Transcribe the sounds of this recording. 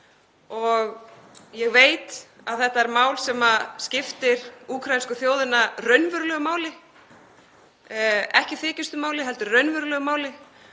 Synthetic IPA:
ɔɣ | jɛɣveːjt̪ | aðθɛht̪ːaɛɾmaːwlsɛmascɪft̪ɪɾ̥uːkʰɾajinskʏθjoːwðɪnːarœɥnvœɾʏlœɣʏmaːwlɪ | ɛhcɪθɪːcɪst̪ʏmaːwlɪɦɛlt̪ʏɾrœɥnvœɾʏlœɣʏmaːwlɪ

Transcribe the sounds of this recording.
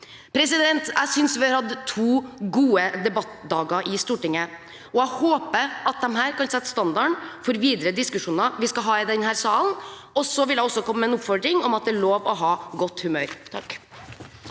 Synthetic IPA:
pʰɾɛsɪd̪ɛnt̪æ̰ɪsʏnsʋɪɑɾhɑd̪t̪ʰuːɡuːəd̪ɛbɑt̪d̪ɑːɡɑʔɪst̪uːʈɪŋːə | ɔæɪhoːpəɑt̪̚d̪ɛmɦæːɾkɑnsɛt̪ːst̪ɑnd̪ɑɳfɔɾʋiːd̪ɾəd̪ɪskʉʂuːnɑʋɪskɑɦɑːɪd̪ɛnhæːɾsɑːln̩ | ɔsɔʋɪld̪æɪɔsːɔkɔmːəəɛnʊpfɔɖɾɪŋɔmɑt̪̚d̪ɛæɭoːʋɔɦɑːɡɔt̪ːhʉmøːɾt̪ʰɑk

